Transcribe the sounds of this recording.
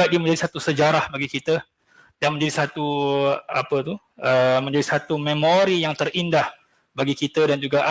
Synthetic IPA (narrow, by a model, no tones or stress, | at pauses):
aʔ̚diəmə̃ɲd͡ʒadisat̪usəd͡ʒaɾahbaɡikit̪ə | damə̃ɲd͡ʒadisat̪u | apət̪u | əmə̃ɲd͡ʒadisat̪umemoɾijaŋt̪ərindah | baɡikit̪ədand͡ʒuɡaʔ